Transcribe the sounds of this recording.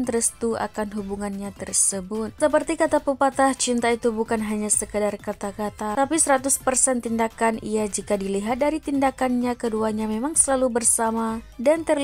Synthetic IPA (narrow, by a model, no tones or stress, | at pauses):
nt̪əɾəst̪ua̰kanɦubuŋanɲat̪ərsəbʊt̪̚səpərt̪ikat̪apəpat̪aht͡ʃint̪ait̪ubukanɦaɲasəkədarkat̪akat̪at̪apisəɾat̪ʊspərsɛnt̪indakanḭad͡ʒikadiliɦat̪̚daɾit̪indakanɲakəduaɲamemaŋsəlalubərsamadant̪ər